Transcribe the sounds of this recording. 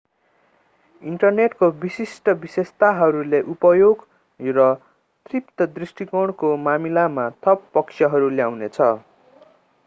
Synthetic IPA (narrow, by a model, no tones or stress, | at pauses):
iɳʈʌrneʈkobisisʈʌbisest̪aɦʌɾuleʔupʌjoɡ | rʌ | t̪ript̪ʌd̪risʈikʌɽ̃komamilamat̪ʰʌpːʌksʰjʌɦʌɾuljawnet͡sʰʌ